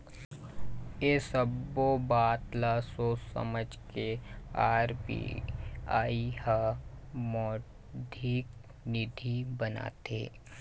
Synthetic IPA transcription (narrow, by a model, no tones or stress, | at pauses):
esəbobaːt̪lasoːsə̰məd͡ʒkeaːɾpḭaːihamɔː | d̪ʱik | nɪd̪ʱibəna̰ːt̪ḛː